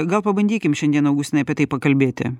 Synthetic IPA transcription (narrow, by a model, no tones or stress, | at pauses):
ɡɐlˠpɐbɐnʲd̪ʲiːkʲɪmʃʲɛnd̪ʲiɛnɐʊɡʊsʲɪnɐɪɐpʲiɛt̪ɐɪpɐkɐlʲbʲeːt̪ʲɪ̰